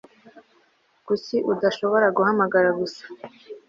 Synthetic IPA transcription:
ɡ̥usiʔudaʃo̞βo̞ɾaɡuhamaɡaɾaɡusḁ

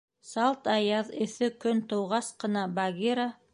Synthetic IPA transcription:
sɑlˠt̪ɑjɑðɵ̆θɘkɵnt̪ŏwʁɑsqɤ̆nɑbaɡʲiɾa

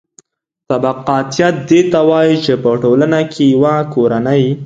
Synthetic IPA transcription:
t̪abaqɑt̪jat̪̚d̪et̪awɑjit͡ʃepəʈolanakʰejawakoɾanəj

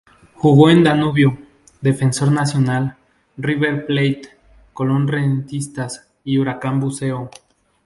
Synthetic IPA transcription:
xuɣo̞end̪anuβjo | d̪e̞fe̞nso̞ɾnasjo̞nal | riβeɾplejt̪ | kolo̞nrent̪ist̪as | iuɾakambuse̞o

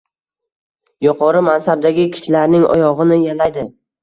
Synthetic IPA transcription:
jʊqʰɒɾɪmansab̚d̪aɡʲɪkʲʰɪ̥ʃlaɾnɪŋɒ̰jɒʁɨnɪjalajd̪ɪ

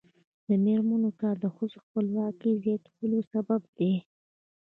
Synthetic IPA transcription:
d̪əmeɾmanokɑɾd̪əxəzoxpəlwɑkəjzjɑt̪əlosabab̚d̪e

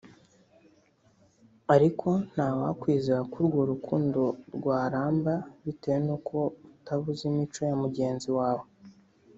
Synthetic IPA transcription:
aɾikʰo̞n̥hawakwiːzeɾakuɾɡo̞ɾukuːndo̞ɾɡwaːɾaːmbaβitewenokʰoutaβuzimit͡ʃo̞jamuɟe̞ːnziwaːwo

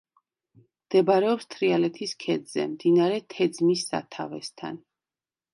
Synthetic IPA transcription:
md̪̥ɛbaɾɛɔpst̪ʰɾialɛt̪ʰiskʰɛd̪z̥ɛ̰md̪inaɾɛt̪ʰɛd̪zmisːa̰t̪ʰa̰vɛ̰st̪ʰa̰n

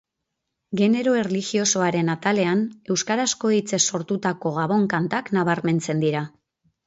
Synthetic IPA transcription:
ɡe̞ne̞ɾo̞e̞rlixio̞so̞aɾe̞nat̪ale̞ane̞wskaɾasko̞it͡se̞sːo̞ɾt̪ut̪ako̞ɣaβo̞ŋkant̪aknaβ̞aɾme̞nt͡se̞nd̪iɾa

